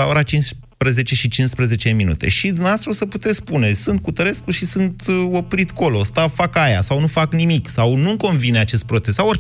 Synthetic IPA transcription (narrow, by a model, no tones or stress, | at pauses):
ao̞ɾat͡ʃins | pɾeze̞t͡ʃe̞ʃit͡ʃinspɾeze̞t͡ʃe̞minṵt̪e̞̰ʃid̪umnevast̪ɾoosəput̪e̞t̪spune̞sɨnt̪̚kut̪əɾe̞skuʃisɨnt̪o̞pɾit̪ko̞lo̞st̪afakaja̰sawnufaknimiksawnuko̞nvine̞at͡ʃe̞st̪̚pɾo̞t̪e̞sawoɾ